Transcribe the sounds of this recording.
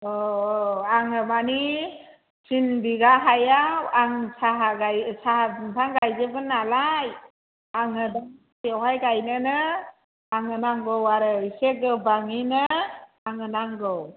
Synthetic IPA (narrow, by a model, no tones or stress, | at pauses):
ɔ | aŋɯmani | sinbiɡaɦajawaŋsaɦaɡajsaɦtʰaŋɡajzɯbɯnːalaj | aŋɯdaŋ | sʰiɔwɦajɡajnɯnɯ | aŋɯnaŋɡɔwaɾɯiseɡɯbaŋinɯ | aŋɯnaŋɡɔw